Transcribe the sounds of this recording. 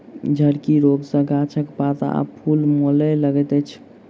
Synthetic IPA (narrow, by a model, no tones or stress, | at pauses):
d͡ʒʱəɽkiɾoɡsə̃ɡat͡ʃʰəkpat̪a̰a̰pʰulmolɛləɡɛt̪ɛt͡ʃʰ